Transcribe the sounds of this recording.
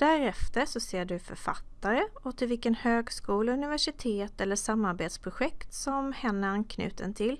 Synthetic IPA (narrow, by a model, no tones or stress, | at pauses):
d̪̥æɾɛft̪əɾʂɔseːɖɵfœ̰ɾfa̰t̪ːaɾəɔt̪ʰɪlvɪlkənhøːɡskuːləɵnɪvæʂɪt̪ʰeːt̪ɛlːəʂamːaɾbeːt̪spʰɾʊɧɛk̪t̪sɔmhɛnːəankʰnʉ̟̰ːt̪ə̰nt̪ʰɪlː